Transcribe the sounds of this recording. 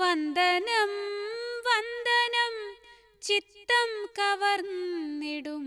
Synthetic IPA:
ʋɐnd̪ʱɐnɐmʋɐnd̪ɐnɐm | t͡ɕit̪ːɐmkɐʋɐrnniɽum

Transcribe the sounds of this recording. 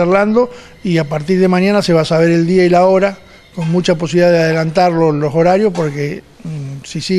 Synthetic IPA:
erland̪o̞ | iapaɾt̪iɾð̞emaɲanase̞βasaβe̞ɾe̞ld̪iailaoɾa | ko̞nmut͡ʃap̬osiβiliðaðeaðelant̪aɾlolo̞so̞ɾaɾjospo̞ɾke | sisi

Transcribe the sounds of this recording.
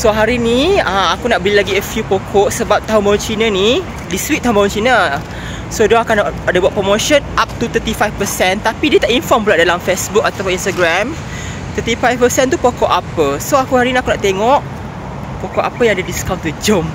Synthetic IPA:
soɦaɾinĩəmakunaʔbəlilaɡiəfjupokʰɔʔsəbap̚t̪aɦõnbaʊnt͡ʃinə̃ni | dist̪ɾiʔ̚t̪aɦõmbaʊ̃nt͡ʃinə | sodɔakanadəbuatʔ̚pɾomoʃɔ̃nap̚t̪ut̪ət̪ifajfpəsɛnt̪apidiət̪aʔinfɔrmpulaʔdalamfesbuk̚at̪awpɔnĩnst̪aɡɾam | t̪ət̪ifajfpəsɛnt̪upokɔʔapəsoakuhaɾinĩakunaʔt̪eŋɔʔ | pokɔʔa̰pəjãŋadədiskawnt̪ːud͡ʒom

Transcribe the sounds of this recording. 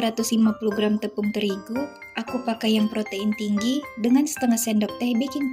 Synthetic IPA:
ɾat̪ʊslimapuloɡɾamt̪əpʊŋt̪əɾiɡu | ʔakupakajaŋpɾot̪eɪnt̪iŋɡidəŋansə̥t̪əŋahsɛndɔp̚t̪ɛhbikɪn

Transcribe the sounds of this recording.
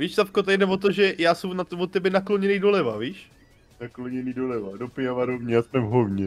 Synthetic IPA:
viːʃt̪afkot̪aɪdɛvot̪̬oʒɛjaːsɛmnavot̪ɛbɛnakloɲɛniːdolɛvaviːʃ | nakloɲɛniːdolɛvadopɪavaɾovɲɛjasmɛvɦovɲɛ

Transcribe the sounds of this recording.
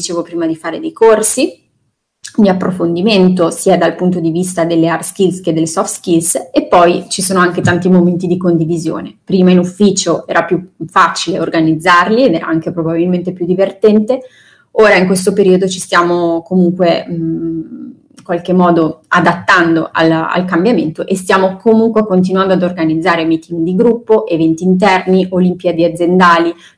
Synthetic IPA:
it͡ʃeːvopɾiːmad̪ifaːɾed̪ejkʰorsi | d̪iapːɾofond̪iment̪osiːad̪alpunt̪od̪ivist̪ad̪elːearskilsked̪ːelːesɔft̪skilsepːɔjt͡ʃisoːnoaŋk̟et̪ant̪imoment̪id̪ikond̪ivizjo̰ːnepɾiːmainufːiːt͡ʃoɛ̰ːɾapjufat͡ʃileorɡanid̪zːarlied̪ɛːɾa̰aŋkepɾobabilment̪epjud̪ːivert̪ɛnt̪e | oːɾaiŋkwest̪opeɾiːod̪ot͡ʃi̥st̪jaːmokomuŋkweɛ | iŋkwalkemːɔːd̪oad̪at̪ːand̪oa̰la̰lkambjament̪oʔest̪jaːmokomuŋkwekont̪̬inuwand̪oad̪orɡanid̪zːaːɾemiːt̪iŋɡd̪iɡɾupːoʔevɛnt̪iːnt̪̬ɛrniʔolimpiad̪iad̪zjend̪aːli

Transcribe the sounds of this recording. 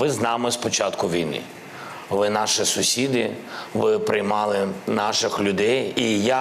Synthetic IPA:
ɪznɑmɪspɔt͡ʃɑt̪kʊʋʲijnḭ | ʋɪnɑʃɪsʊsʲid̪ɪ | ʋɪpɾɪjmɑlˠɪnɑʃɪxlʲʊd̪ɛjija

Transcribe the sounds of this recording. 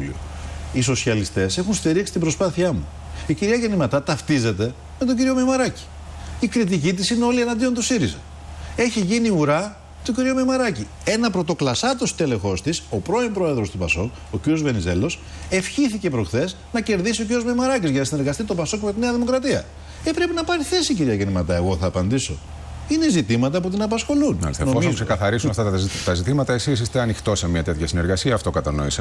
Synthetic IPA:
o̰iso̞siɐlist̪e̞se̞xunst̪iɾiksi̥t̪ibɾo̞spɐθiɐmṵ | iciɾiɐʝe̞nimɐt̪ɐt̪ɐft̪ize̞t̪e̞ | me̞t̪oɟiɾio̞mejmɐɾɐci̥ | ikɾit̪icit̪̬isineo̞lienɐnd̪io̞nt̪usiɾizɐ̰ | e̞çiʝiniuɾɐ | t̪oɟiɾio̞memɐɾɐci | e̞nɐpɾo̞t̪o̞klɐsɐt̪o̞st̪e̞le̞xo̞st̪iso̞pɾo̞impɾo̞e̞ðɾo̞st̪upɐ̰so̞̰k | o̞ciɾijo̞zve̞nize̞lo̞s | e̞fçiθice̞pɾo̞xθe̞s | nɐce̞ɾðisio̞ciɾiozmemɐɾɐcizʝɐnɐsine̞ɾɣɐst̪it̪o̞pɐso̞kme̞t̪ine̞ɐðimo̞kɾɐt̪iɐ | epɾe̞pinɐpɐɾiθe̞siciɾiɐɣenimɐt̪ɐe̞ɣo̞θɐːpɐnd̪iso̞̰ | inezit̪imɐt̪ɐput̪inɐpɐsxo̞lunɐ̰senoomiksekɐθɐɾisunft̪ɐt̪ɐzit̪imɐt̪ɐesisist̪eɐnixt̪o̞semɲɐt̪e̞t̪çɐsineɾɣɐsiɐːft̪o̞kɐt̪ɐno̞̰ise

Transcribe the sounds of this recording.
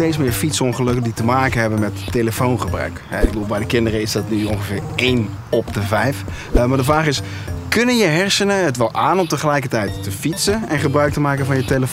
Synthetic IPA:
tejtsmɪːɹfitsɔnχəlɵkəditəmaːkənɦɛbənmɛtːeləfownχəbrœ̰ɥkɦɛɪɡ̚bəduːlˠbɛjdəkɪndərəɪzdɑtnyɔŋχəvɪːɹejn | ɔpdəvɛjf | maɹdəfraːχɪs | kʏnənjəɦɛrsənəɦətʋɛlˠʔaːnɔmtəχəlɛjkətɛjtːəfitsəɛnχəbrœɥk̚təmaːkəvɑnjəteləf

